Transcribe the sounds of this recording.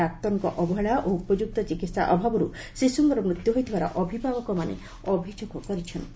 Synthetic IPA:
ak̚t̪ɔɾŋkɔʔɔbɔɦɛɭaʔoupɔd͡ʒuk̚t̪ɔt͡ʃikit̪sa̰ʔɔbʱabɔɾu | sisuŋkɔɾɔmɾut̪juɦojt̪ʰibaɾɔ̰ʔɔbʱibʱaɡɔkɔmanḛ | ɔbʱid͡ʒuɡɔkɔɾit͡ʃʰɔnt̪i

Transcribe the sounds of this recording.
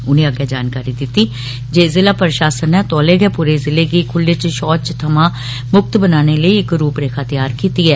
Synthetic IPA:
ʊnẽːəɡjaːd͡ʒaːnkaːɾiːd̪ɪt̪ːiː | d͡ʒeːzɪlaːpəɾɪʃaːsənɛːt̪ɔːleːɡɛːpuːɾeːzɪleːɡiːkʰʊlːeːt͡ʃʃɔːt͡ʃt̪ʰəmãː | mʊk̚t̪bənaːneːləiːɪkɾuːpɾeːkʰaːt̪ɪjaːɾkiːt̪iːɛː

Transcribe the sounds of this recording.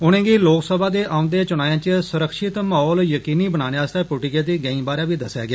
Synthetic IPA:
ʊñẽːɡiːloːksəbaːd̪eːʔaːʊ̃nd̪eːt͡ʃʊñaːjãːt͡ʃsʊɾəkʰʃɪt̪maːɦɔːljəkiːniːbənaːneːaːst̪eːpʊːʈikeːd̪iːɡɛĩːbaːɾaːbiːd̪əsja̰ːɡɪaː

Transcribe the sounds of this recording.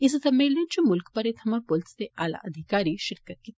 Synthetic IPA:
ɪst̪ɐmelẽt͡ʃomʊlkpɐɾet̪ʰɐmapolst̪eʔaːla̰ʔɐd̪ʱɪkaːɾiʃɪɾkət̪̚ki

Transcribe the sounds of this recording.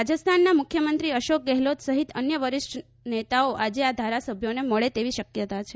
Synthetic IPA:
ad͡ʒəst̪ʰanːamʊkʰjəmənt̪ɾiəʃok̚ɡɛɦlot̪səɦit̪ənjəʋəɾɪʃʈ | net̪aoʔad͡ʒead̪ʱaɾasəbʱjoneməɭet̪eʋiʃəkjət̪at͡ʃʰe

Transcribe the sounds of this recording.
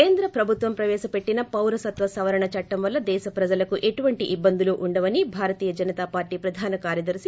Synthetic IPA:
keːnd̪ɾɐpɾɐbʱut̪ʋɐmpɾɐʋɛːʃɐpe̞ʈːinɐpɐwɾɐsɐt̪ʋɐsɐʋɐɾɐɳɐt͡ʃɐʈːɐmʋɐlːɐd̪ɛːʃɐpɾɐd͡ʒɐlɐkuʔe̞ʈuʋɐɳʈiʔibːɐnd̪uloːʔuɳɖɐʋɐnibʱaːɾɐt̪iːjɐd͡ʒɐnɐt̪aːpaːɾʈiːpɾɐd̪ʱaːnɐkaːɾjɐd̪ɐɾsi

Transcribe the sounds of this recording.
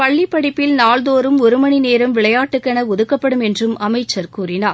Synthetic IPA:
pɐɭːɪpːɐɽɪpːɪlnaːɭðoːɾɯmɔɾɯmɐɳineːɾɯmʋɪɭɐjaːʈːɯkːɐnɐɔðɯkːɐpːɐɽɯmɛndrɯmɐmɐɪt͡ʃːɐɾkuːrɪnaːɾ

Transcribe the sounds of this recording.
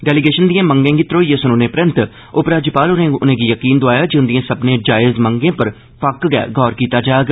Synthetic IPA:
ɖɛːlɪɡeːʃənd̪ijãːmə̃ŋɡẽːɡɪt̪ɾoːjeːsʊnoːneːpɾə̃nt̪ | ʊpɾaːd͡ʒipaːlʊnẽːʊnẽːɡiːjəkiːnd̪ʊaːjaːd͡ʒʊ̃nd̪ĩãːsəbnẽːd͡ʒaːɪzməŋɡẽːpəɾ | pʰəkɡɛ̰ːɡʱɔːɾkiːt̪aːd͡ʒaːjɡ

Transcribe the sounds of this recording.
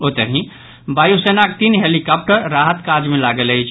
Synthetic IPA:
ot̪əɦĩ | bajusenak̚t̪inɦelikap̚ʈəɾːaɦət̪kad͡ʒmelaɡələjt͡ʃʰ

